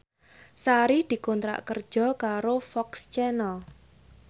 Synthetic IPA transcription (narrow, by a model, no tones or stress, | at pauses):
saɾihd̪̥i̤kɔnt̪ɾa̰ʔkərd̥ʒ̥ɔ̤kaɾofɔkst͡ʃɛnɔ